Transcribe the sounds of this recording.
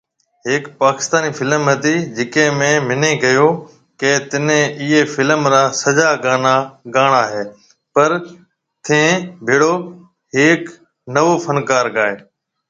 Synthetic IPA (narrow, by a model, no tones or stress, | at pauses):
ɦeːkpaːkɪ̥st̪aːniːfɪləmɦət̪iːd͡ʒɪkẽːmẽːmɪnẽːkəjoː | keːt̪ɪnẽɪːeːfɪləmɾãːsəd͡ʒaːɡaːnaːɠaːɳaːɦeː | pəɾ | t̪ʰẽːbʱeːɽoː | ɦeːk | nəʋoːfʰənkaːɾkaːɦeː